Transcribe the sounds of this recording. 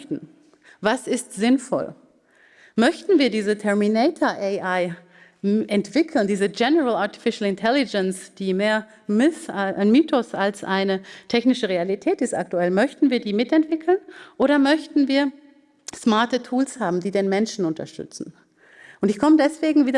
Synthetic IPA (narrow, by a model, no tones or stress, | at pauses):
tn̩ | vasɪstz̥ɪnfɔ̰l | mœçtn̩viːɐdiːzətʰɛɐminɛɪtʰɐʔeɪʔaɪ | ʔɛntv̥ɪkʰl̩ndiːzəd͡ʒɛnəʁəlaɐti̥fɪʃl̩ɪntʰɛlɪd͡ʒɛnsd̥iːmeːɐ | mɪsnmyːtʰɔsalsʔaɪnətʰɛçnɪʃəʁealitʰɛːtɪsta̰k̚tuɛlmœçtn̩viːɐdiːmɪtɛntv̥ɪkʰl̩nʔoːɾɐmœçtn̩viːɐ | smaɐtətʰuːlshaːbm̩diːdeːnmɛnʃn̩ʊntɐ̰ʃtʏ̰t͡sn̩ | ʔʊntɪçkʰɔmədɛsv̥eːɡŋ̩viːdɐ